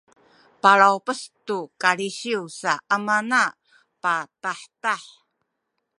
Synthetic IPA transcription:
paɾawpəstukaɭiɕiusaʔamana | pataħtaħ

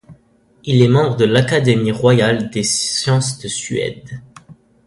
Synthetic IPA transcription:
ilɛmɑ̃bʁəd̪əlakad̪emiʁwajald̪esjɑ̃sd̪əsɥɛ̰d̪

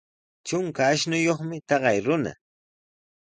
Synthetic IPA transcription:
t͡ʃʊŋkaːʃnʊjoχmɪt̪ɑɢɑjɾʊna̰

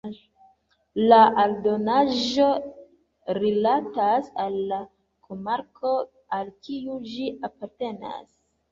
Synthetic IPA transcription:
laʔaldo̞naʒo̞ | ɾilatasalːa | kʰomaɾko̞ | alkiud͡ʒiʔapaɾte̞na̰s

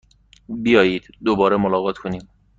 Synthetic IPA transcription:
bijɒːjiːd̪̥d̪obɒːɾemolɒːɣɒːt̪ʰkʰoniːm

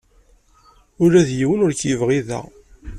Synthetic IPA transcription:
ʊɾæðjiwənʊɾçjəvʁiðæ̰

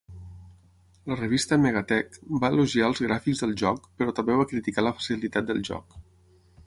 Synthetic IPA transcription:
lərəβ̞ist̪əmeɣat̪ɛkbaəluʒiaəlˠzɣɾafikzðəlˠʒɔkpəɾɔt̪əmbeβ̞akɾit̪ikaləfə̥silit̪at̪̚d̪əlˠʒɔ̰k

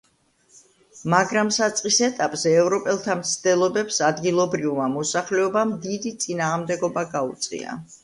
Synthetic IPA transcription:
maɡɾamsat̪sʼqʼisɛt̪ʼapʼzɛːvɾɔpʼɛlˠt̪ʰamt̪sʰd̪̥ɛlˠɔbɛpsad̪ɡilˠɔbɾivmamɔsaχlɛɔbamd̪id̪it̪sʼinaːʁmd̪ɛɡɔbaɡaut̪sʼḭa̰

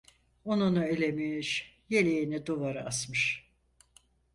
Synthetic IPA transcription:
onunuelʲemimiʃ | jelʲejinid̪uvaɾɯasmɯʃ

